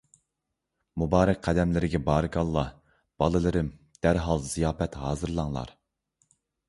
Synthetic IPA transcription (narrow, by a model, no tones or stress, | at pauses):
mubɑːɾɛk̚ʲqʰːæd̪ɛmlɪɾɪɡʲɛbɑːɾɨɡɑlˠːɑ | b̥ɑlˠɨlˠɨɾɪm | d̪̥æɾɦɑlˠzijɑːpɛt̪ɦɑːzɨɾlˠɑŋlˠɑ̰ɾ